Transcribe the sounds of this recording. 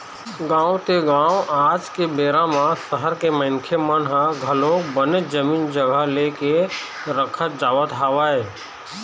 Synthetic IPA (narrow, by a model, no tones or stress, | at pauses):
ɡãːwt̪eɡãːwaːd͡ʒkebeːɾãmãsəɦəɾkemə̃ɪŋkʰemənɦaɡʱəlõkbəned͡ʒəmiːnd͡ʒəɡəɦleːke | ɾəkʰət̪̚d͡ʒaːʋət̪ɦaːʋaːeː